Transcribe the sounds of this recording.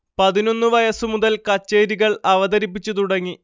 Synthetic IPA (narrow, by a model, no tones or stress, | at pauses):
pɐðino̞nːɨʋɐjɐsumuðɐlkɐt͡ɕːeːɾiɣɐɭɐʋɐd̪ɐɾip̬ːit͡ɕːut̪̬uɽɐŋːi